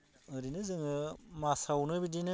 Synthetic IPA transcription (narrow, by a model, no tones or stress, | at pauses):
ɯɾinɯzɯŋɯmasawnɯbidinɯ